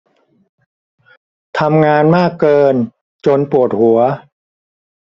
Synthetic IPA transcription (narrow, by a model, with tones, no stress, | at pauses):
t̪ʰa˧mŋaː˧nmaː˥˩kːɤː˧n | t͡ɕo˧npu˨˩ət̪̚hu˩˦ɐ